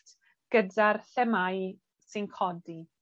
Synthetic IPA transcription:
t | ɡ̥ədarɬɛmaj | sɨnkʰɔdi

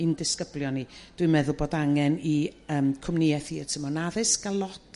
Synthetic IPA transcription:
ɨndɪskəblˠjɔnid̥wɨmɛðʊlˠboːdaŋɛniəːmkʰʊmniɛθiətʰəmɔnaðɨsɡalˠɔtʰ

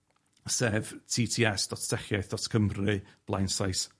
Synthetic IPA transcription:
sɛːvtʰiːtʰiːɛsd̥ɔttʰɛχjajθd̥ɔtʰkʰəmrɨb̥lˠa̰jnsajs

